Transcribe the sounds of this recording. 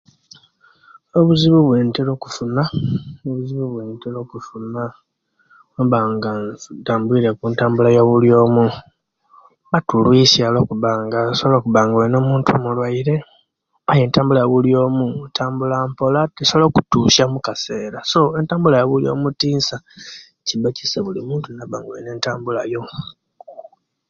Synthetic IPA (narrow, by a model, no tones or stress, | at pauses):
oβuziβuβweːntelo̞ːku̥funaoβuziβuβweːntelo̞ːkufuna | oβaːŋɡataːmbwiɾe̞kuntaːmbulajo̞ːβuljo̞ːmu | βatulwisjalo̞kuβaːŋɡasoβloːkuβaːŋɡaweno̞ːmuːntʰṵmulwaiɾe̞ | aje̞ːntaːmbulajβuljo̞ːmuntʰaːmbulampo̞latisoloku̥tuːʃamukase̞ːɾaso̞e̞ntaːmbulajoβuljo̞̰ːmutiːnsa | cibaci̥seβulimuːntunaβaːŋɡawene̞ːntaːmbulajo̞